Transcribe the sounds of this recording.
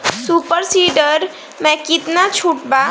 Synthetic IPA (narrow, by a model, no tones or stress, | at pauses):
suːpəɾsiɖəɾ | mɛ̃kɪt̪nat͡ʃʰuʈbaː